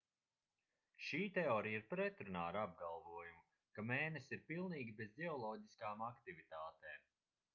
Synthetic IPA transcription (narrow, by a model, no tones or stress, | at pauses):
ʃiːt̪ɛɔːɾijiɾpɾɛt̪ɾunaːɾab̚ɡalˠvuɔjumu | kameːnesiɾpilˠniːɡʲibezd̪ʲɛɔlˠɔːɟiskaːmakt̪ivit̪aːt̪eːm